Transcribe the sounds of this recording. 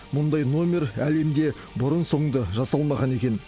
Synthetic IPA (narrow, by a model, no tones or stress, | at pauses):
mʊnd̪ɑjno̞mʲe̞ɾæle̞md̪e̞ | bʊɾənso̞ɴd̪əʒɑsɑlˠmɑʁɑne̞kʲe̞n